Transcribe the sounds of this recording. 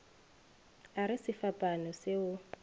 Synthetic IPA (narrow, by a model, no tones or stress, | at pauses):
aɾɪsɪfapʼanɔsɪʊ